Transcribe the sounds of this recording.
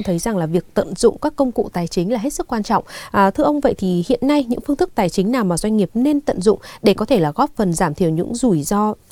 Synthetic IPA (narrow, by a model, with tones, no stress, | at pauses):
ŋ͡mt̪ʰə˨˦jza˨˩ŋlaː˨˩vi˨˩ək̚t̪ə̰˧˨nzʊ̰˧˨ŋ͡mkaː˦˥kːə˧wŋ͡mkṵ˧˨t̪aː˨˩jt͡ɕï˨˦ŋ̟laː˨˩ɦe˦˥t̚sɨ˦˥k̚ːwaː˧nt͡ɕɔ̰˧˨wŋ͡mʔt̪ʰɨ˧əʔə˧wŋ͡mvə̰˧˨jt̪ʰi˨˩hḭ˧˨ənːa˧jɲɨ̰˧˥ŋfɨ˧nt̪ɨ˦˥k̚t̪aː˨˩jt͡ɕï˨˦naː˨˩wmaː˨˩zwa˧jŋ̟ŋi˨˩əp̚ne˧nt̪ə̰˧˨nzʊ̰˧˨ŋ͡mɗe˧˩kɔ˨˦e˧˩laː˨˩ɣɔ˦˥p̚fə˨˩nzaː˧˩mt̪ʰi˧˩əwɲɨ̰˧˥ŋzu˧˩jzɔ˧